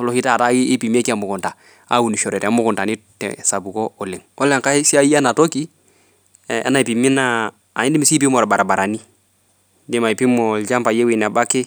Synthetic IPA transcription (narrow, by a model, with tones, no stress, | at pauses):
lɔ˨hi˦ta˦˨ta˦iː˦pi˨mi˦ɛ˦ki˦a˨mʊ˨kʊ˨nta˨ | a̰˦u˨ni˨ʃɔ˨ɾɛ˨tɛ˨˦mʊ˦kʊ˨nta˨ni˦tɛ̰sa˨bu˨kɔ˦ɔ˨lɪ˨ŋɔ˦lɛ˨ŋka˦si˦a˦i˦a˦na˨tɔ˦ki˦ | a̰˦na˨i˨pi˨mi˦naː˦˨ | i˦ndɪ˦mi˦si˦p̬i˦mɔ˨ɾba˨ɾa˨ba˨ɾa˨ni˦ | dɪ˦ma˨i˨pi˦mɔ˨ld͡ʒa˦mpa˨jɛ˦wi˨na˨ba˦kɪ˦